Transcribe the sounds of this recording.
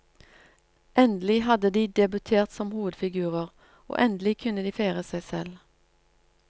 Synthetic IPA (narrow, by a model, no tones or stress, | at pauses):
ʔɛnd̪lɪɦɑd̪əd̪iːd̪ɛbʉt̪ʰeːʁt̪sɔmhuːʋəd̪fɪɡʉːʁəʁ | o̰ːʔɛnd̪lɪkʰʉnəd̪iːfeɪʁəsæɪsɛl